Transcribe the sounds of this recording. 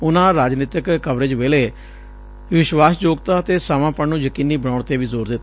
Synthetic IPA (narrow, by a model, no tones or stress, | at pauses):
ʊnãːɾaːd͡ʒniːt̪ɪkːəʋɾeːd͡ʒʋeːleː | ʋɪʃwaːsd͡ʒoːɡt̪aːt̪eːsaːmãːpəɳnũːjəkiːniːbəɽaːɳt̪eːʋiːzoːɾd̪et̪ː